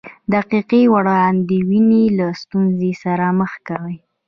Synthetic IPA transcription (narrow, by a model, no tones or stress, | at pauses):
d̪aqiqiwaɽaand̪əwinelast̪unzesaɾaməxkawəj